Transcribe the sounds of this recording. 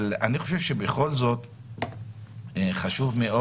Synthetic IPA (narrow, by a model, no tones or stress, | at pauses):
laniχo̞ʃevʃebeχo̞lzo̞t̪ | eχaʃuvmeo